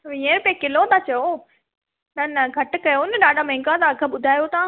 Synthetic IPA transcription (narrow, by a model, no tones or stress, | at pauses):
ʋĩːə̃ɾpekɪlot̪ʰaːt͡ɕɐjo | nɐnɐɡʱɐʈ̆kɐjoʊnɗaːɖʱamẽːŋkãt̪aːɡʱəɓʊd̪ʱaːjot̪ã